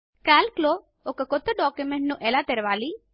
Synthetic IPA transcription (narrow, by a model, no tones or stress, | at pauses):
kalklo | okəkot̪əɖɔːkjumeɳʈnũʔelat̪eɾʋaːli